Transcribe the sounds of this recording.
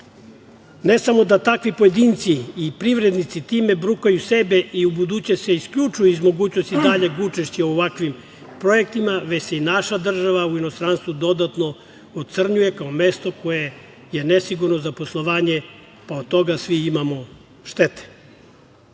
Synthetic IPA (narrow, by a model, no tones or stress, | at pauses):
nesamo̞d̪at̪akʋipo̞jed̪iːnt̪siːpɾiʋɾed̪nit̪sit̪iːme̞bɾukajusebe̞ʔiubud̪ut͡ɕeseiskʎut͡ʂujuizmo̞ɡuːt͡ɕno̞st̪id̪aʎe̞ɡut͡ʃeʃt͡ɕiooʋakʋim | pɾo̞jek̚t̪imaʋet͡ɕseinaʃad̪r̩ʒaʋauinost̪ɾanst̪ʋud̪o̞d̪at̪no̞ | ot̪̚t̪sr̩ɲuje̞kaomest̪o̞ko̞je | jenesiɡuɾnozapo̞slˠoʋaːɲe̞ | paod̪̚t̪o̞ɡasʋiimamo̞ | ʃt̪et̪e̥